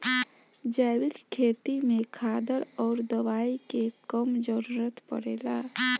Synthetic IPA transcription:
d͡ʒɛːwɪkkʰeːt̪imẽkʰaːd̪əɾɔːɾd̪əʋaːikekəmd͡ʒəɾuːɾət̪pə̰ɽḛːlaː

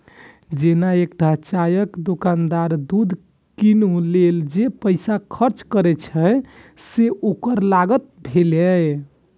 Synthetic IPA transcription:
d͡ʒenaekɖʱat͡ʃajəkd̪okand̪aɾd̪ud̪ʱ | kinuleld͡ʒepəjsakʰəɾt͡ʃkəɾɛt͡ʃʰɛseʔokəɾlaɡət̪̚bʱelɛ

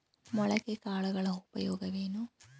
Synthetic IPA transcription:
mɔɭɐkːekaːɭuɣɐɭɐub̥ɐjoːɡɐʋeːnu

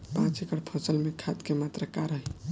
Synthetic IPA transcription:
pãt͡ʃekəɽpʰõsəlmekʰad̪kemat̪ɾəkaɾəɦj

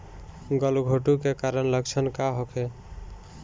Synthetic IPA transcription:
ɡʌlɡʱoʈukekaɾənləkt͡ʃʰənkaɦokʰe

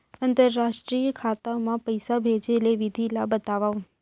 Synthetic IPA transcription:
ənt̪əɾːaʃʈɾijəkʰat̪aomãpəjsabʱed͡ʒeleʋid̪ʱilabət̪aʋaun

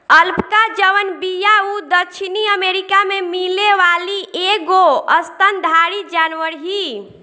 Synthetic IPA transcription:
əlpkad͡ʒəʋənbijaud̪əkt͡ʃʰiniəmeɾikamemileʋaliʔeɡoəst̪ənd̪ʱaɾid͡ʒanʋəɾɦi

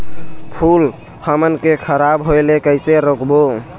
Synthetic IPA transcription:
pʰul | həmənkekʰəɾabɦojlekəɪseɾokbo

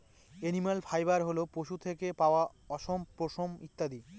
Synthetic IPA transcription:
enimalfʰajbaɾɦolopoʃut̪ʰekepaoa | ɔʃompɾoʃomit̪ːad̪i

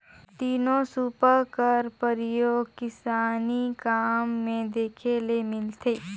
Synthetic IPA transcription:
t̪iːnõsuːpəkəɾpəɾɪjoːɡ̚kɪsaːnikaːmːẽd̪eːkʰelemɪlt̪ʰeː

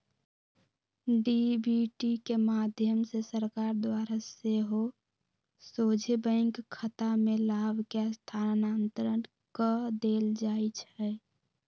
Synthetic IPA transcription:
ɖibiʈikemaːd̪ʱjəmsesəɾkaːɾd̪waːɾaseɦo | soːd͡ʒʱebə̃ɪŋkʰːət̪amẽlaːbkest̪ʰaːnaːnt̪ɾən | kəd̪eːld͡ʒaːit͡ʃʰɛ

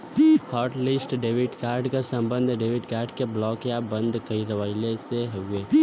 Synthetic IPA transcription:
hɔːɾʈlɪsʈɖeːʋɪɖkaːɾɖkesə̃mbə̃nd̪ʱɖeːʋɪɖkaːɾɖkeblɔːkjabə̃nd̪ʱkəiɾəʋaːɪleseɦoːɡeː

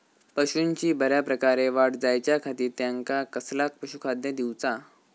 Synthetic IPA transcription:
pəɕunt͡ɕiːbəɾjapɾəkaɾeʋaʈd͡zajt͡ɕjakʰat̪iːt̪jaŋkakəslak̚pəɕukʰad̪jəd̪iwt͡sa

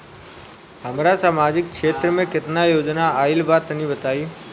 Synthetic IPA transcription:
ɦəmɾasaːmad͡ʒɪk̚kʰʃet̪ɾəmẽket̪najoːd͡ʒnaailʋat̪nibət̪ai

